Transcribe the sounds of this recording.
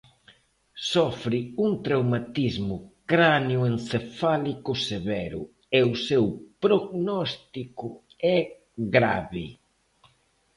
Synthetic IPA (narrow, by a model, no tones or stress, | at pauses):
sɔfɾɪuŋt̪ɾawmat̪izmʊkɾanjʊenθefalikʊseβɛɾʊ̰ | ɛʊsɛwpɾoɣnɔst̪ikʊ | ɛ | ɣɾa̰βɪ